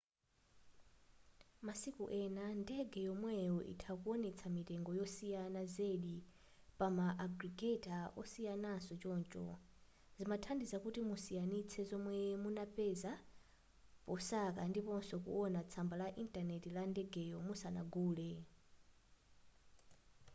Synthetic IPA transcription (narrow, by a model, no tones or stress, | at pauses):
masikuʔɛnandɛɡɛjɔmwɛjɔʔḭtʰakuɔnɛt͡sʰamitɛŋɡɔjɔsijanazeɗi | pamaʔːɡɾiɡɛtʼaʔɔsijanasɔt͡ʃɔːnt͡ʃʼɔ̰ | zimatʰandizakutimusijanit͡sʰɛzɔmwɛmunapɛza | pɔsakandipɔnsɔkṵʔɔnat͡sʰambalaʔintʼanɛtilandɛɡɛjɔmusana̰ɡuːlɛ